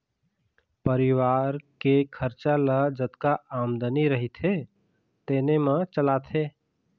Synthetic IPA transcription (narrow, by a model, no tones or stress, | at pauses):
pəɾiʋaɾkekʰəɾt͡ʃalad͡ʒət̪kaʔamd̪əniɾəɦit̪ʰe | t̪eːnemə̃t͡ʃəlat̪ʰe